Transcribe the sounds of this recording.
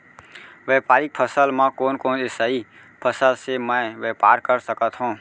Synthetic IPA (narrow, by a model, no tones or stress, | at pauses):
ʋɛːpaːɾɪk̚pʰəsəlmãkoːnkoːnɪsaːi | pʰəsəlsemə̃ʋeːpaːɾkəɾsəkət̪ɦũː